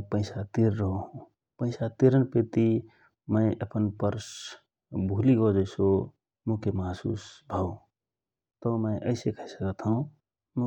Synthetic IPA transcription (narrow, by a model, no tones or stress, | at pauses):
mpəɪsat̪iɾːəɦoɦũ | pə̃ɪsat̪iɾənpet̪i | mə̃ɪʔəpənpəɾs | bʱuliɡɔd͡ʒəɪso | mũkemasṵsbʱao | t̪omə̃ɪʔəɪsekʰəisəkət̪ɦəũ | mu